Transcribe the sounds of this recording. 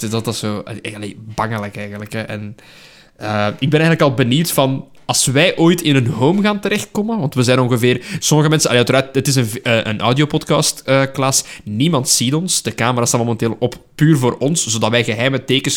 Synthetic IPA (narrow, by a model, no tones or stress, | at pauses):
dɑtɑso̰ːɑlḛːbɑŋəlɛkɛjɣənləkɛʔɛ̰n | əɪɡ̚bɛnɛjənləkɑlˠbəniwtfɑn | ɑlˠsʋɛjʔoːjtɪnənɦowmɣaːntəɾɛxt̚kɔmənʋɑntʋəzɛːnɔŋɣəveːrsɔməɣəmɛnsəʔɑleːœtəɾaːtətɪsənəʔənʔɔwdioːpɔtkɑstəːklɑsnimɑntsitɔnsd̥əkaːməɾaːstamomɛnteːlˠɔppyːrvoːɾɔnszoːdɑtʋɛjɣəɦɛjməteːkəs